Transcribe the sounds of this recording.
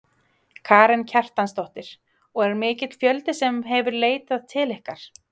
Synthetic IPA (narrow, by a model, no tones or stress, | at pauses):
kʰaːɾɛncʰar̥t̪anst̪ɔht̪ɪɾ̥ | ɔɣɛɾmɪːcɪt̪l̥fjœlt̪ɪsɛmɦɛvʏɾleːjt̪aðt̪ʰɪlɛhkaɾ̥